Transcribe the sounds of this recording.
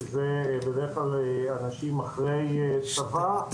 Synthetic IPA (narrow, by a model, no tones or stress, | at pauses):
zebed̪eeχlalanaʃimaχʁe̞jet͡sava